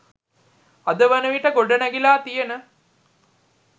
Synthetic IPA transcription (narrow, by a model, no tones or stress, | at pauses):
ɐd̪əʋɐnəʋiʈəɡoɖɐnɐɡilaːt̪ijenə